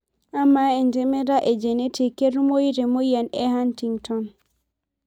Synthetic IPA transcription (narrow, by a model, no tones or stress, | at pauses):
ʔamːaɛnd͡ʒɛmɛɾaʔɛd͡ʒɛnetʰikeɾmojɾɛmojanɛhantiŋtʰɔn